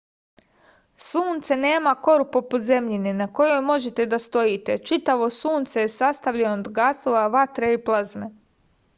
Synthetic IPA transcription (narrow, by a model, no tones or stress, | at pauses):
suːnt̪sene̞ːmako̞ɾupo̞pud̪ze̞mʎininako̞jo̞jmo̞ʒet̪e̞d̪ast̪o̞jit̪et͡ʃit̪aʋo̞suːnt̪sejesast̪aʋʎenood̪ɡaːsoʋaʋat̪ɾeiplˠazme